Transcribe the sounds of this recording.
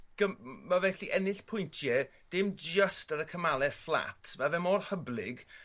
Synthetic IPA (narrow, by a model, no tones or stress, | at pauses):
ɡ̥əmavɛɬiʔɛnɪɬpʰʊjntʰjɛd̥ɪmd͡ʒəstəɾəkʰəmalˠɛflˠa̰tʰmavɛmɔrhəblɪɡ